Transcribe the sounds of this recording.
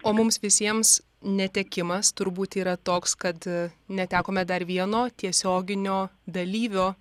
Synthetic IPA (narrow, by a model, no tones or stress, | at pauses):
oːmʊmsʋʲɪsʲiɛms | nʲɛt̪ʲɛkʲɪmɐst̪ʊɾbuːt̪iːɾɐt̪oːkskɐt̪nʲɛt̪ʲæːkoːmʲɛd̪ɐɾʋʲiɛnoːt̪ʲiɛsʲoːɡʲɪnʲoːd̪ɐlʲiːʋʲoː